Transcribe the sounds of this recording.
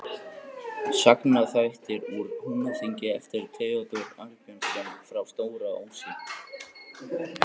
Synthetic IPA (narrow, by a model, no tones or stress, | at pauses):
saknaθajht̪ɪɾuɾhunaθiɲcɪɛft̪ɪɾt̪ʰeɔt̪ɔɾaɾcœnskɛnfɾawst̪oːwɾao̰wnsit̪